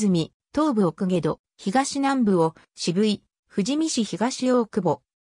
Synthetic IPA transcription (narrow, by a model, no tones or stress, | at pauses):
ɨmʲi | t̪o̞ːbɯ̟okɯɡe̞d̪o | çiɡaɕinãmbɯ̟o | ɕibɯ̟i | ɸɯ̟ʑimʲiɕiçiɡaɕioːkɯ̟bo